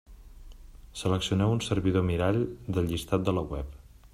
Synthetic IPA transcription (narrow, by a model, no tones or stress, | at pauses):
sələksiunɛwunsərβiðomiɾaʎd̪əlʎist̪at̪̚d̪ələwɛp